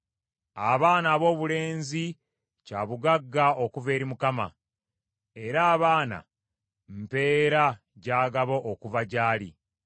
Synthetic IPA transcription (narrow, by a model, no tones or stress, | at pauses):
aβaːnaːβo̞ːβule̞ːnzi | caːβuɡaɡːao̞kuve̞ːɾimukama̰ | e̞ɾaːβaːna̰ | mpe̞ːɾa | ɟaːɡaβo̞ʔːkuvaɟaːlḭ